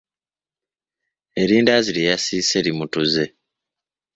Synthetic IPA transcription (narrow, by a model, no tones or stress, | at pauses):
eɾiːndaziɾejasiːse̞ɾimutuze̞